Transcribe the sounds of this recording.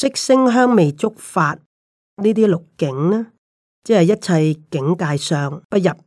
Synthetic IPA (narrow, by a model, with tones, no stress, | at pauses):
sɪ˥k̚sɪ˥ŋɦœː˥ŋme˨jt͡sʊ˥k̚faː˧t̚ | niː˥t̪̬iː˥lʊ˨kːkɪ˨˥ŋnɛː˥ | t͡sɛː˥hɐ˨˩jɐ˥t̚t͡sʰɐ˧jkɪ˨˥ŋkaː˧jsœː˨ŋpɐ˥t̚jɐ˨˩p̚